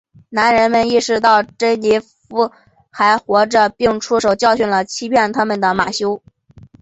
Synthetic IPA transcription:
na˧˥nɻə˧˥nmə˧ni˥˩ʂɻ̩˧˥t̪ɑ˥˩ʊʈ͡ʂə˥ɪni˧˥ | fu˧˥ | xa˧˥ɪxwɔ˧˥ʈ͡ʂə˧pi˥˩˧ŋʈ͡ʂʰu˥ʂo˨˩ʊt͡ɕjɑ˥˧ʊɕy˥˩nlə˩t͡ɕʰi˥pʰjɛ˥˩nt̪ʰa˥mə˨nd̪ə˩ma̰˨˩ɕjo˥ʊ

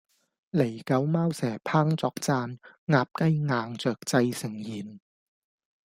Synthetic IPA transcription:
le˨˩jkɐ˨˧˥wmaː˥wsɛː˨˩pʰaː˥ŋt͡sɔː˧k̚t͡saː˧n | ŋaː˧p̚kɐ˥jŋaː˧ŋt͡sœː˨k̚t͡sɐ˧jsɪ˨˩ŋjiː˨˩n

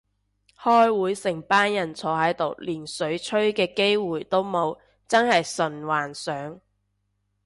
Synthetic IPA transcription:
hɔː˥jwuː˨˥jsɪ˨˩ŋpaː˥njɐ˨˩nt͡sʰɔː˨˥hɐ˨˥jt̪o˨wliː˨˩nsɵ˨˥ɥt͡ʃʰɵ˥ɥkɛː˧ke˥jwuː˨˩jt̪o˥wmo˨˧w | t͡sɐ˥nhɐ˨jsɵ˨˩nwaː˨˩nsœː˨˥ŋ

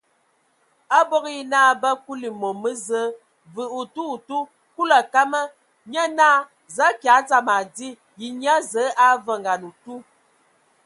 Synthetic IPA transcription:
a˦bɔ˦ɣi˦naː˦bə˦ku˦li˨mo˨mə˦zə˦ | vɨ˨u˨tu˦u˨tu˦ | ku˦la˨ka˦mə˦ | ɲə˦naː˦ | za˨˦kja˨˦t͡sa˦ma˨di˦ | ji˨ɲ˦a˦zə˨˦ʔa˦və˦˨ŋ˨ɡa˨nu˨tu˦

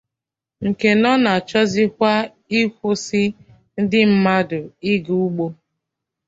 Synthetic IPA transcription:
ŋ̩˨ke˨nɔ˦na˨t͡ʃɔ˦zɪ˦kʷa˦ | i˦kʷo˦sɪ˦ | n̩˦dɪ˦m̩˦ma˦dʊ˨i˦ɡu˦ɡ͡bo˦

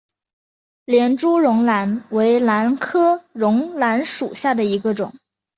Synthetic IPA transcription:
ljɛ˧˥nʈ͡ʂu˥ɻʊ˧˥ŋla˧˥nwe˧˥ɪla˧˥nkʰɤ˥ɻʊ˧˥ŋla˧˥nʂu˨˩ɕja˥˩d̪ə˩i˧˥ɡə˧ʈ͡ʂʊ̰˨˩˦ŋ

